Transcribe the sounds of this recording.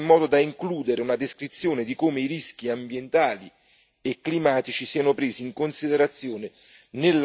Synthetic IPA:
mːɔːd̪od̪aiŋkluːd̪eɾeunad̪eskɾit̪sːjoːned̪ikomeiɾisk̟iambjent̪aːli | ekːlimaːt̪it͡ʃisiːanʊpɾeːsiːŋkonsid̪eɾat̪sːjoːne | nel

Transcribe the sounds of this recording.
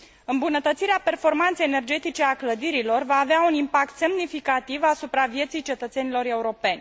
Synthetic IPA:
ɨmbunət̪ət̪siɾeape̞rfo̞rmant̪ejene̞rd͡ʒe̞t̪it͡ʃe̞akləd̪iɾilo̞rvaːveaunimpak̚t̪se̞mnifikat̪ivasupɾavje̞t̪sijt͡ʃe̞t̪ət̪se̞nilo̞ɾe̞uɾo̞pe̞nʲ

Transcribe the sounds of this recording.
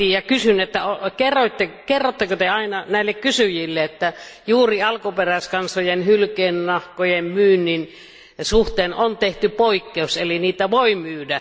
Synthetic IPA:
ijjɑkysynet̪ːæokerːoit̪ːekerːot̪ːɑkøt̪eɑinɑnæˑilːekkysyjilːeet̪ːæjuːriɑlkuperæˑeskɑnsojenhylkeːnːɑhkojemmyːnːin | suht̪eːnont̪eht̪ypoikːeuseliniːt̪æʋoimyːdæ

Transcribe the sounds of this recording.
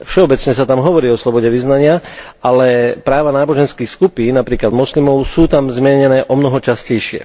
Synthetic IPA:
fʃɛɔbɛt͡sɲɛsat̪amɦɔʋɔɾiːɔslɔbɔɟɛʋiznaɲɪa | alɛpɾaːʋanaːbɔʒɛnskiːxskupiːnnapɾiːklad̪mɔslimɔʊsuːt̪amzmʲɛɲɛnɛːʔɔmnɔɦɔt͡ʃascɛjʃɪɛ̰

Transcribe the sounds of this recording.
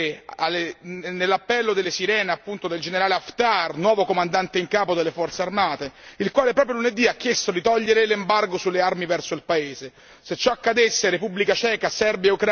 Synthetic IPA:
alenelːapːɛlːod̪elːesiɾɛːneapːunt̪od̪eld͡ʒeneɾaːleaft̪arnwɔːvokomand̪ant̪eiŋkaːpod̪elːefɔrt̪searmaːt̪eilkwaːlepɾɔːpɾjoluned̪iakːjest̪od̪it̪ɔʎːeɾelembarɡosulːearmivɛrsoilpaeːze | set͡ʃːɔakːad̪esːeɾepubːlikat͡ʃɛːkasɛrbjeukɾ

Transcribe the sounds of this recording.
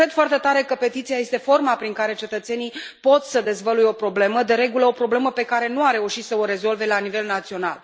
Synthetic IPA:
kɾe̞d̪fwart̪e̞t̪aɾe̞kəpe̞t̪it̪siaje̞st̪e̞fo̞rmapɾiŋkaɾe̞t͡ʃe̞t̪ət̪se̞nipo̞t̪səd̪e̞zvəlujo̞pɾo̞ble̞məd̪e̞ɾe̞ɡuləo̞pɾo̞ble̞məpe̞kaɾe̞nuarɾe̞uʃit̪səo̞ɾe̞zo̞lve̞lanive̞lnat̪sio̞na̰l

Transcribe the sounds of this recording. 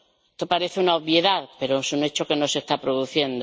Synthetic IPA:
et̪opaɾe̞θeunaoβjeðaðpe̞ɾosunet͡ʃo̞ke̞no̞se̞st̪apɾoðuθje̞nd̪o

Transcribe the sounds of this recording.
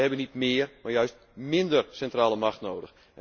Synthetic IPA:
hɛbənitmɪərmarjœɥst̚ | mɪndərsɛntraːləmaxtnoːdəx | ʔɛ

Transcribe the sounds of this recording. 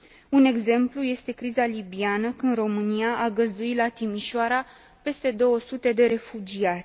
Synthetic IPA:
une̞ɡze̞mpluje̞st̪e̞kɾizalibianəkɨnd̪ro̞mɨniaʔaɡəzd̪uit̪lat̪imiʃoaɾa | pe̞st̪e̞d̪o̞wəsut̪e̞d̪e̞ɾe̞fud͡ʒiat̪sʲ

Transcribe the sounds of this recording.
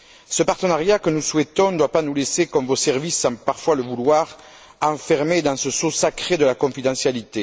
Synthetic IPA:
səpaʁt̪ənaʁjakənuswɛt̪ɔ̃d̪d̪wapanulesekɔmvosɛʁvisːɑ̃paʁfwaləvulwaʁ | ɑ̃fɛʁmed̪ɑ̃səsosakχed̪əlakɔ̃fid̪ɑ̃sjalit̪e

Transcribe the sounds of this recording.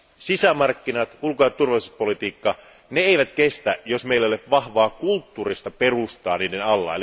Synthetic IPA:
sisæmɑrkːinɑt̪ulkojɑt̪t̪ːurʋɑlisuspo̞lit̪iːkːɑ | neeijʋæt̪kest̪æjosmeilːæolepʋɑhʋɑːkult̪ːuːrist̪ɑperust̪ɑːniːdenɑlːɑ̰ːeli

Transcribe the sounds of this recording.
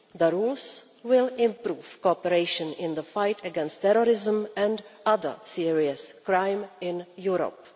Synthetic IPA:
ðəɾuːls | wɪlɪ̃mpɾuːfkopɛɾeɪʃə̃nʔɪ̃nd̪əfajtɛɡɛ̃nstːɛɾoɾɪzəmʔɛ̃ndʔaðə̰˞siɹiəskɾajmɪ̃njuɾo̰p

